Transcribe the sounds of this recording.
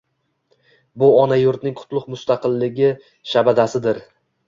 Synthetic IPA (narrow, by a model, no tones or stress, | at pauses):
bʊɒnajʊɾt̪nɪŋqʰʊt̪ʰlˠʊqmʊst̪ɑqɨlːɪɡʲɪ | ʃabad̪asɪd̪ɪɾ